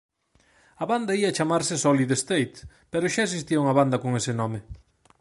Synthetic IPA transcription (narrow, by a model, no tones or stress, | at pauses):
ɐβand̪aiat͡ʃamaɾsɪsoliðest̪ejt̪ | peɾʊʃaes̬ist̪iɐuŋɐβand̪ɐkoŋesɪnɔme